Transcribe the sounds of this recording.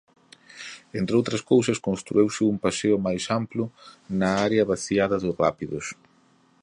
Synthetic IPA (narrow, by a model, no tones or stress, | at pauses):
ent̪ɾeowt̪ɾɐskows̬ɐskonst̪ɾuewsɪumpaseʊmajsamplʊnɐaɾeɐβaθiaðɐðʊrapiðʊs